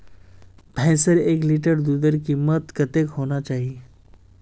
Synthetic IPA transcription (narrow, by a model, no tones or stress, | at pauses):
pɛ̃ːsəɾeːkliʈəɾd̪uːd̪əɾkimət̪kət̪ekɦoːnat͡ʃaːɦi